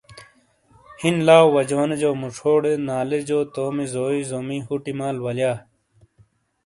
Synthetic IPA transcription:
hinlaːwwɐd͡ʑoːned͡ʑoːmuʂʰoːɽenaːled͡ʑoːt̪oːmizoːizoːmiɦuʈimaːlwɐljaː

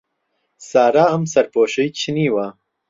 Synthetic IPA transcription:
saːɾaːɐmsɐɾpoːʃɐjt͡ɕʰiniːwa

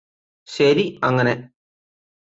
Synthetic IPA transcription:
ɕɐɾiɐŋːɐne

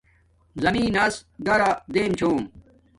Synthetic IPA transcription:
zɐmiːnɐsɡɐɾad̪eːmt͡ɕʰoːm

